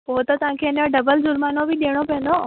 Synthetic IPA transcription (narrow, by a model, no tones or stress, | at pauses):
poːɦt̪ɐt̪ɐʋãkʰeːnoɖɐbəld͡ʑʊɾmaːnobɪɗeːɽ̃opɛə̃n̆d̪o